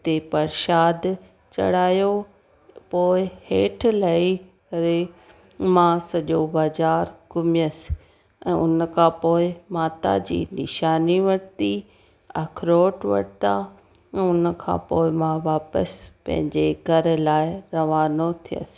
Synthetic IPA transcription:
t̪epɐɾʃaːd̪ | t͡ɕɐ̰ɽ̤aːjo | poːɪheːʈʰlai | ɾe | mãsɐʄobaːzaːɾɡʊmɪjəs | ɛ̰̃ːʊnkʰãpoːɪmaːt̪a̰d͡ʑḭːnɪʃaːniʋɐɽt̪i | ɐkʰɾoːʈʋɐ̰ɽt̪a | ɛ̃ːʊnkʰã̰ːpoːɪmãʋaːpəspɐ̰̃ɦɪ̃ɲd͡ʑeɡʱɐɾlaːɪɾɐʋaːnot̪ʰijə̰sɪ̥

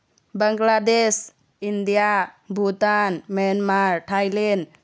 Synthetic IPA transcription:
baŋɡlades | indija | bʱut̪anmɛnmaɾʈʰajlɛn

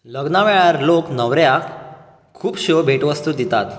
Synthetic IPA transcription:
ləɡnaʋeɭaɾloknəʋɾjak | kʰːuːpɕobʱeʈʋəst̪ud̪it̪at̪

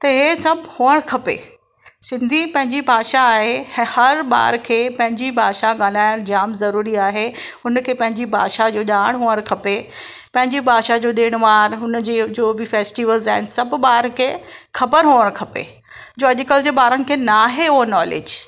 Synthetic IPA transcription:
t̪ɐɦesɐbhuːəɽ̃kʰɐpḛ | sɪ̃nd̪ʱipɐ̃ɦɪ̃ɲd͡ʑibʱaːʃaːɦehɐɾɓa̰ːɾkʰeːpɐ̃ɦɪ̃ɲd͡ʑibʱaːʃaɠaːl̤aːɪɽ̃d͡ʑaːmzɐɾuːɾiaːɦeʊnkʰeːpɐ̃ɦɪ̃ɲd͡ʑibʱa̰ːʃad͡ʑoːʄaːɽ̃ɦuːəɽ̃kʰɐpe | pɐ̃ɦɪ̃ɲd͡ʑibʱaːʃad͡ʑoːɗeːɽ̃ʋaːɾɦʊnd͡ʑeːd͡ʑoːbɪfeːsʈiːʋəlzãːɪnsɐbɓaːɾkʰeːxɐbəɾɦoːəɽ̃kʰɐpḛ | d͡ʑoːɐʄkəld͡ʑebaːɾənɪ̆kʰeːnaːɦeʊɦonɔːlḛːd͡ʑ

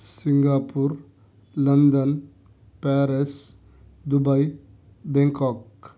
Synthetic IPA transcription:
siŋɡapuɾ | lɐnd̪ən | pɛɾes | d̪ubaj | bẽŋkɔk

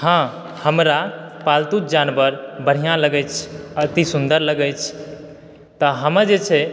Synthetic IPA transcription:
hã | həmɾapalt̪ut̪̚d͡ʒanbəɾbəɽ̤ijãləɡɛt͡ʃʰət̪isund̪əɾləɡɛt͡ʃʰ | t̪əɦəməd͡ʒet͡ʃʰɛ

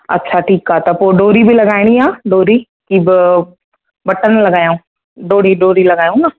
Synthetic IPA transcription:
ɐ̰tːʃʰaːʈʰiːkaːt̪ɐpoːɖoːɾibʱilɐɡaːɪɽ̃iãːɖoːɾi | kibɪ | bɐʈənlɐɡaːjũː | ɖoːɽiɖoːɾilɐɡaːjũːnaː

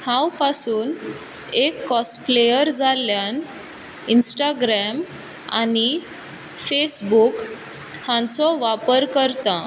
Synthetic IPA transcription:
hãwpasuːn | ekːɔsplejəɾd͡zʱaljan | insʈaɡɾɛm | a̰ñi | fesbuk | hãt͡sɔʋapəɾkəɾt̪ã

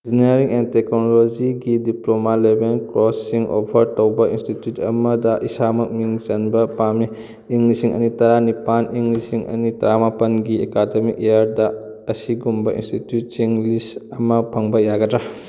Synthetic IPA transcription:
ziniɐɾiŋenteknolod͡ʒiɡidiplomalebenkɾosːiŋʔo̰pʰɐɾtowbɐinstitjutɐ̰mɐdɐʔisamɐk̚miŋt͡ʃɐnbɐpame | iŋlisiŋɐ̰nitɐɾanipanʔiŋɡlisiŋʔɐ̰nitɐɾamapɐnɡiekademik̚eaɾdɐ | ɐsiɡumbɐḭnstitjutːiŋlisɐmɐpʰɐŋbɐjaɡɐdɾa

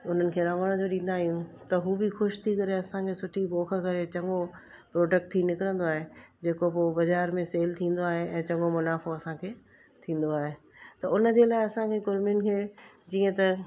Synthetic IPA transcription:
ʊn̤ənɪ̆kʰeːɾɐməɽ̃ə̃d͡ʑoːɗĩːnd̪aːɦijũt̪ɐɦuːbɪxʊʃt̪ʰikɐɾeɐsãkʰeːsʊʈʰiboːxʰkɐɾet͡ɕɐ̃ŋɡo | pɾoːɖək̚ʈt̪ʰinɪkɪɾə̃nd̪oaːɦed͡ʑeːkopobɐd͡ʑaːɾmẽseːlt̪ʰĩːn̆d̪oaːɦeɛ̃ːt͡ɕɐ̃ŋɡomʊnaːfoɐsãkʰeː | t̪ʰĩːn̆d̪oaːɦe | t̪ɐʊnəd͡ʑeːlaːɪɐsãkʰeɡʊɾmɪʊnkʰeː | d͡ʑiːə̃t̪ɐ

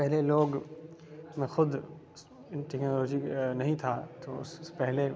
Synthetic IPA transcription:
pɛɦɪleloːɡ | mẽxʊd̪ʱ | nʈɛknoːloːd͡ʑinɐɦĩt̪ʰaːt̪ʰospɛɦɪle

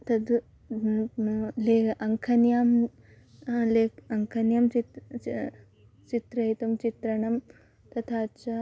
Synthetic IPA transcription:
t̪ɐd̪ | leːɐŋkʰɐnjaːm | leːɐŋkʰɐnjɐmt͡ʃi | t͡ʃit̪ɾɐit̪umt͡ʃit̪ɾɐɳɐm | t̪ɐt̪ʰaːt͡ʃɐ

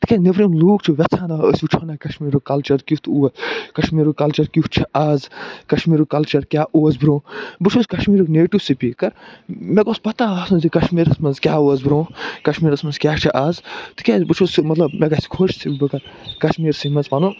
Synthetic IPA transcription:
t̪ɨkʲeneʋɾimluːk̚t͡ʃʰuʋet͡sʰaːnaə̰sʲbut͡ʃʰoːnaːkɐʃmiːɾokɐlt͡ʃɐɾkʲut̪uːɐkɐʃmiːɾokɐlt͡ʃɐɾkʲuht͡ʃʰiʔaːzkɐʃmiːɾokɐlt͡ʃɐɾkʲaːʔoːɐzbɾõːbɨt͡ʃʰuzkɐʃmiːɾokneːʈiʋsipiːkːɐɾmeɡoːspɐt̪ãːɐːsũzikɐʃmiːɾɐsmɐnzkʲjaːoɐzbɾõːkɐʃmiːɾɐsmɐnzkʲjaːt͡ʃʰiʔaːzt̪ɨ̥kʲasbɨt͡ʃʰuːsmɐt̪lɐbmeɡɐsi̥kʰot͡ʃʰsibɐkɐɾkɐʃmiːɾsimɐnzpɐnũː

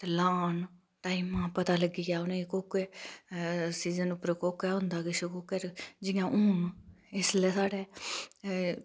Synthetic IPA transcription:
t̪elaːn | ʈaːiːmãːpət̪aːləɡiːɡaːʊnẽːkoːkeː | siːzənʊpəɾkoːkɛːɦʊ̃nd̪aːɡɪʃʊkuːkəɾd͡ʒɪjãːʔʊːnɪsleːsaːɽeː

